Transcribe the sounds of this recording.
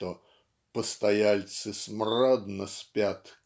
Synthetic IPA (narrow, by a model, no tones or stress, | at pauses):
t̪o | pəst̪ɐjalʲt̪sɨsmrad̪nəsʲpʲat̪